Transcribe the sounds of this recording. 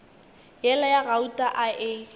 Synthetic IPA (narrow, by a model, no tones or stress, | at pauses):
jɛlajaɣautʼaʔaʔɪ